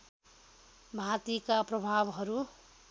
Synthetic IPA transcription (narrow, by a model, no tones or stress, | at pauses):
bʱat̪ikaprʌbʱabɦʌɾu